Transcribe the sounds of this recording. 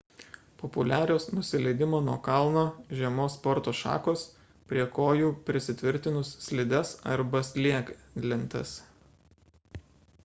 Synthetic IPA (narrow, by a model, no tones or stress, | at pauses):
pɔpʊlʲæːɾʲoːsnʊsʲɪlʲɛɪd̪ʲɪmoːnuɔkɐlˠˑnoːʒʲɛmoːspɔɾt̪oːʃɑ̰ːkoːs | pʲɾʲiɛkoːjuːpʲɾʲɪsʲɪt̪ʲʋʲɪɾʲt̪ʲɪnʊsːʲlʲɪd̪ʲɛsɐ̰ɾbɐsʲlʲiɛk | lʲɪnʲt̪ɐ̰s